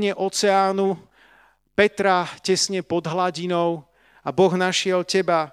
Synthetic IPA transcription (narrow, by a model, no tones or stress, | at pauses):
ɲɛʔɔt͡sɛaːnu | pɛt̪ɾacɛsɲɛpɔd̪ɦlaɟinɔʊ | abɔɣnaʃɪɛlcɛba